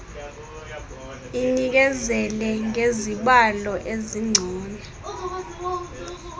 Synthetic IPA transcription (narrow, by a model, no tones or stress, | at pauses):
inik̬ɛzɛlɛŋeziɓalɔʔeziŋ͡ǀʱiːnɛ